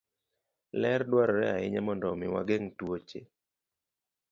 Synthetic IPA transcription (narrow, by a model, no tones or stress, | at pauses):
lɛrdwaɾɔɾɛaɪɲamɔndɔmɪwa̰ɡeŋtwot͡ʃe